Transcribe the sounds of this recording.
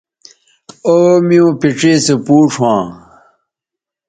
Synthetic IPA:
oːmiõːpiʈ͡ʂeːsepuːʂʰwãː

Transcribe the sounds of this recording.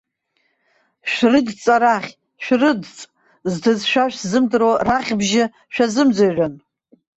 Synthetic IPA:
ʃᶣrɨdt͡sʼaɾaχʲ | ʃʷᶣrɨdt͡sʼ | ztʰɨzʃᶣaʃᶣzɨmdɨroraχʲbʒɪ | ʃᶣazɨmd͡zaʕʷᶣan

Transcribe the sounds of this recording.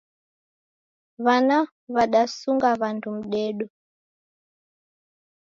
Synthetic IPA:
βana | βaɗasuŋɡaβantʰum̩ɗɛːɗɔ

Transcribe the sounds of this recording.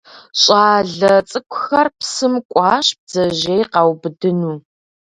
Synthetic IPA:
ɕʼaːɮɐt͡sʼɨkʷʰʼʊxɐrpsɨmkʷʼɑːʃb̥̚zɐʒejqɑwbɨdɨnuː

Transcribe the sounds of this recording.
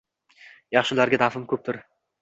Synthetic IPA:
jɑχʃɪlaɾɡʲad̪afɪmkʰʲɵp̚t̪ʰʊɾ

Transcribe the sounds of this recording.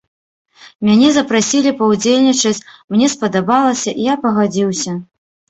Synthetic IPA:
mʲanʲɛzɐpɾasʲilʲipɐwd͡zʲelʲnʲit͡ʂɐt͡sʲmnʲɛspɐd̪abalˠɐsʲɐʔijapɐɣad͡zʲiwsʲɐ

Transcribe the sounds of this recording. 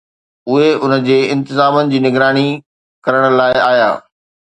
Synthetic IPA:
ʊɦeʊnəd͡ʑeːɪ̃nt̪ɪzaːmənɪ̆d͡ʑiːnɪɡɾaːɽ̃i | kɐɾəɽ̃ə̆laːɪaːja̰ː

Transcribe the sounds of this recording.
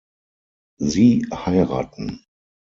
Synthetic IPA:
ziːhaɪʁa̰ːtn̩

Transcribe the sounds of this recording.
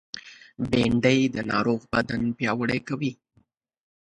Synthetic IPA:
beɳɖəjd̪ənɑ̰ɾoɣbad̪anpjɑwəɽejkawi

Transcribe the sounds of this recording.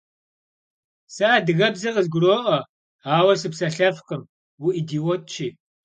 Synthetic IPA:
saːdɨɣɐbzɐqəzɡʷʊroːʔɐ | aːwɐsɨpsɐɬɐfqəm | wuʔiːdiːwɔt̚t͡ʃʰiː

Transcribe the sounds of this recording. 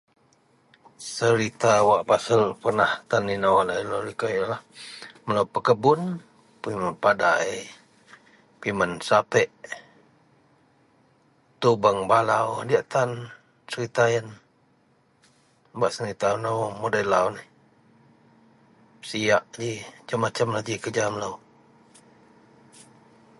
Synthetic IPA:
səɾit̪awaʔpasəlpərnaht̪aninawlailoɾikajlahməlawpəkəbʊn | pimənpada | pimənsapɛʔ | t̪ubəŋbalawdiaʔt̪an | səɾit̪ajən | baʔsəɾit̪anəwmodailawnih | siaʔd͡ʒit͡ʃamat͡ʃamlad͡ʒikəd͡ʒamələw

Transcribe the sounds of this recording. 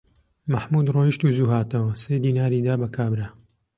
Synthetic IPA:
mɐħmud̪roːiʃt̪uzuːɦaːt̪ɐwɐsejd̪iːnaːɾiːd̪aːbɐkʰaːbɾa

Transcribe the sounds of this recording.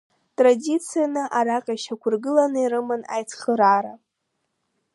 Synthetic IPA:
tʼradit͡sʰijanɨʔaɾaqʲʼaʃakʷʰʊrɡɨlanɨiɾɨmɨna̰jt͡sʰχəɾaɾa

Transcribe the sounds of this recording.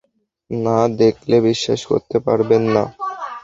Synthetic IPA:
nad̪ekʰlebiʃːa̰ʃko̰ɾt̪epa̰ɾbenːa̰

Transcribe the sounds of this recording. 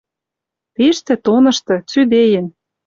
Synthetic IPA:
peʃt̪ĕt̪onɤ̆ʃt̪ɤ̆t͡syd̪ejɘ̆n

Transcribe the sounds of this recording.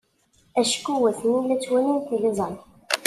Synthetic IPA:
æʃkːuwæθnilæt͡sːwæninθiləzˤɑn

